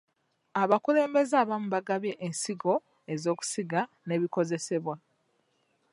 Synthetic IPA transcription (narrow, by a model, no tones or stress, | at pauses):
aβakule̞ːmbe̞zaːβamuβaɡaβje̞ʔensiɡo̞ | e̞zo̞ːku̥siɡa | ne̞βiko̞ze̞se̞βwa